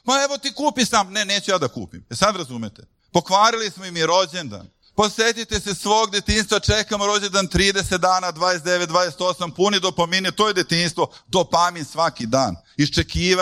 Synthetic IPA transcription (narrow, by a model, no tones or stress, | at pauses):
paeʋo̞t̪ikuːpisaːmoneneːt͡ɕujaːd̪akṵːpḭmesad̪ɾazumet̪e | po̞kʋaːɾilismoimiɾo̞d͡ʑend̪a̰n | poset̪it̪esesʋo̞ːɡd̪et̪inst̪ʋat͡ʃekamoɾo̞d͡ʑend̪ant̪ɾiːd̪e̞set̪̚d̪aːnaːd̪ʋaːd̪est̪d̪eʋet̪d̪ʋaːd̪eset̪o̞sampunid̪opominet̪ojed̪et̪inst̪vʋo̞d̪opaminsʋakid̪aːn | ist͡ʃekiːʋ